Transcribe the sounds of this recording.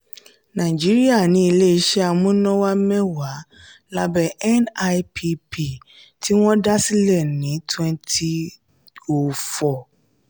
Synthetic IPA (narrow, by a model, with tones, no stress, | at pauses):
nã˨i˨d͡ʒi˨˦ɾi˦a˦˨nĩ˨˦i˧le˦i˧ʃɛ˦a˧mũ˦nɔ̃˦wa˦mɛ̃˦wa˨˦ | la˦bɛ˦ɛ˦na˧pʰi˦pi˦˨ | tʰi˦w̃ɔ̃˦da˦si˦lɛ˦˨nĩ˨˦twɛ̃˦ntʰi˦ | o˨fɔ˨